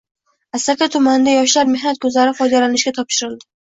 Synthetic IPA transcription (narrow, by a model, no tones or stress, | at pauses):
asakʲat̪ʰʊmand̪ajɒʃlaɾme̞hnat̪̚kʰɵzlaɾɪfɒjd̪alanɪʃɡʲat̪ʰɒpʃɪɾɪlˠd̪ɪ